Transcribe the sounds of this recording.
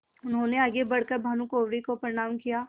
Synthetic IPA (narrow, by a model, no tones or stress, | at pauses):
ʊnɦõːneaːɡebɐɽkəɾbʱaːnũkoːʋɽikopɾɪɽ̃aːmkijaː